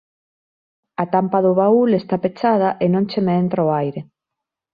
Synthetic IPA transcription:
at̪ampaðʊβaulest̪apet͡ʃað̞ɐʔenõŋt͡ʃemeent̪ɾaoajɾe

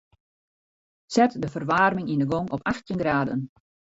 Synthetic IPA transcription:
sɛtdəfərʋaːrmɪŋindəɡoŋɔpʰaxtjənɡraːdə̰n

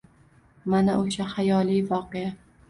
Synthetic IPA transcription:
manaʔoʃahajɒlˠijvɒqeja

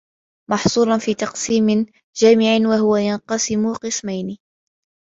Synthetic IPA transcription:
mɑħsˤuːɾˤɑnfiːt̪ɑqsiːmɪ | d͡ʒaːmɪʕɪnwaɦʊwajɑnqɑsɪmʊqɨsmajnɪ

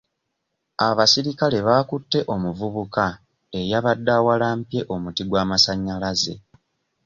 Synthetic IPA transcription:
aβasiɾikale̞βaːkutːe̞ʔo̞muvuβuka | ejaβadːawalaːmpje̞ʔo̞mutiɡwaːmasaɲːalaze̞̰

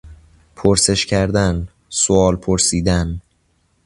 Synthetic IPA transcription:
pʰoɾse̞ʃcʰæɾd̪æn | soɒːlpʰoɾsiːd̪æn

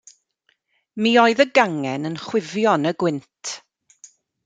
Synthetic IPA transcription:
miːɔɨðəɡaŋɛnənχwɪvjɔnəɡwɪntʰ

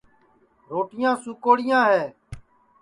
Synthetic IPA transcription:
ɾoːʈɪjãːsuːkoːɽɪjãːɦɛː

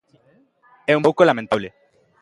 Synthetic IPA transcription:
eũmbawkolamẽnt̪aβle

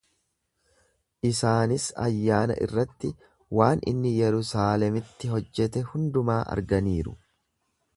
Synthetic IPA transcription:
ʔɪsaːnɪsɐ̰jːaːnɐ̰ʔɪ̰rːɐt̪ːɪ | waːnɪ̰nːɪjɛɾʊsaːlɛmɪt̪ːɪɦɔd͡ʒːɛt̪ɛhʊnd̪ʊmaːʔɐ̰ɾɡɐniːɾʊ̰

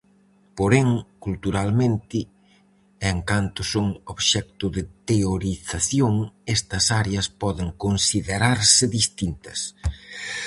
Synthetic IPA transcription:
poɾeŋkult̪uɾalmẽnt̪ɪ | eŋkant̪ʊsoŋoβʃɛk̚t̪ʊðɪt̪eoɾiθaθjoŋɛst̪ɐsaɾeɐspɔðɪŋkonsiðeɾaɾsɪðist̪int̪ɐs

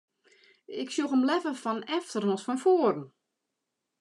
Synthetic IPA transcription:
ɪksjuxəmlɛvəfɔnɛftərnɔsfɔnfoːəɾn̩

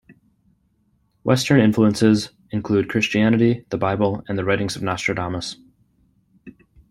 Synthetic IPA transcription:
wʔɛstə̃˞nɪ̃ɱfluə̃nsɪz | ɨ̃nkʰl̥ʉd̚kʰɹ̥ɪst͡ʃiænɨɾiðəbaɪbl̩ˠɨ̃nðɨɹɛɪɾɪ̃ŋzʌvnæstɹ̥ɨdɑməs

